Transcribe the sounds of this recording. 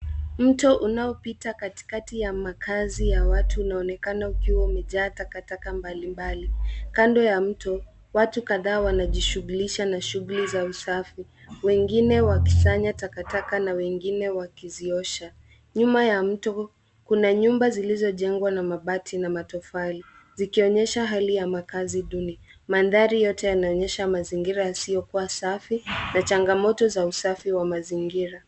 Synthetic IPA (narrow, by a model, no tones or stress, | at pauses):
m̩tɔʔunaɔpitakati̥katijamakʰazijawatʰuːnaɔnɛkanaukiwaumɛʄaːtakatakambalimbalikandɔjam̩tɔ | watukaðaːwanaʄiʃuɣuliʃanaʃuɣulizausafi | wɛŋɡinɛwaki̥t͡ʃaɲatakatakanawɛŋɡinɛwakiziɔʃa | ɲumajam̩tɔ | kunaɲumbazilizɔʄɛŋɡwanamaɓatʰinamatɔfali | zikiɔɲɛʃaɦalijamakaziɗuni | manðaɾijɔtɛjanaɔɲɛʃamaziŋɡiɾajasijɔkuwasafinat͡ʃaŋɡamɔtɔzausafiwamaziŋɡiɾa